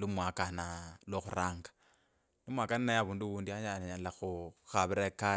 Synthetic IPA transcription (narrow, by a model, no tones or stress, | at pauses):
lumwakanalwoxṵɾaːŋɡḁ | lumwakananajaβuːnduwuːndiaɲanaɲanlaxuxaβiɾeka